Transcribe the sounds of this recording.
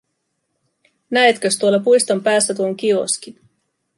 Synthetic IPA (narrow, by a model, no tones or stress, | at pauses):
næet̪køst̪uolːɑpujst̪ompæːsːæt̪uoŋk̟io̞̰skin